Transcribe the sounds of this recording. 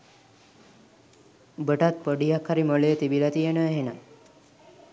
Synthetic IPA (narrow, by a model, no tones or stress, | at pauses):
bəʈat̪̚pəɖijakʰːaɾiməlet̪ibilat̪ienəɦena